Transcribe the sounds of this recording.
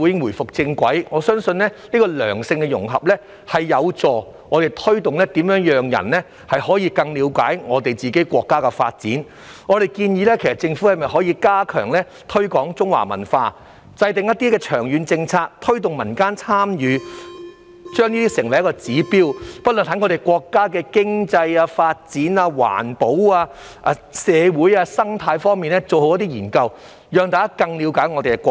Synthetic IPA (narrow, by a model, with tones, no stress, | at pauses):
u˨˧˥jɪ˥ŋwuː˨˩jfʊ˨k̚t͡sɪ˧ŋkʷɐ̰˨˥jŋɔː˨˧sœː˥ŋsɵ˧nlɛ˥niː˥kɔː˧lœ̰ː˨˩ŋsɪ˧ŋkɛ˧jʊ̰˨˩ŋɦɐ˨p̚lɛː˥ | hɐ˨jːɐ˨˧wt͡sɔː˨ | ŋɔː˨˧t̪e˨jt̪ʰɵ˥ɥt̪ʊ˨ŋlɛː˥t̪iː˨˥mjœː˨˥ŋjœː˨ŋjɐ̰˨˩nlɛ˥ | hɐ˨jhɔː˨˥jiː˧kɐ˧ŋliː˨˧wkaː˨˥jŋɔː˨˧t̪e˨jt͡siː˨ke˨˥jkʷɔː˧kːaː˥kɛ˧fa̰ː˧t̚t͡siː˨˥n | ŋɔː˨˧ɾe˨˩jkiː˧njiː˨˧lɛː˥kʰsɐ˨t̚t͡sɪ˧ŋfu˨˥hɐ˨jmɐ˨jɦɔː˨˥jiː˧kaː˥kʰœː˨˩ŋlɛː˥ | t̪ʰɵ˥ɥkɔː˨˥ŋt͡sʊ˥ŋwa̰ː˨˩mɐ̰˨˩nfaː˧ | t͡sɐ˧jt̪ɪ˨ŋjɐ˥t̚t̪iː˥kɛː˧t͡ʃʰœː˨˩ŋjyː˨˧nt͡sɪ˧ŋt͡sʰaː˧k̚t̪ʰɵ˥ɥt̪̬ʊ˨ŋmɐ˨˩nkaː˥nt͡sʰaː˥mjyː˨˧ | t͡ʃœː˥ŋniː˥t̪iː˥sɪ˨˩ŋwɐ˨˩jɐ˥kɔː˧t͡siː˨˥piː˥wpɐ˥t̚lə˨nh̪ɐ˨˥ŋɔ˨˧ɾe˨˩jkwɔː˧kːaː˥k̬ɛː˧kɪ˥ŋt͡sɐ˧jaː˧faː˧t̚t͡siː˨˥naː˧wa̰ː˨˩npo˨˥waː˧ | ʔɐ˨˧ | sɛː˨˧wuː˨˥jaː˧sɐ˥ŋt̪ʰaː˧jfɔː˥ŋmiː˨nɛː˥t͡so˨who˧wjɐ˥t̪i˥jiː˨˩nkɐ˧w | jœː˨˧ŋt̪aː˨kaː˥kɐ˧ŋliː˨˧wkaː˨˥jŋɔː˨˧t̪e˨jɛ˧˥kɔː˧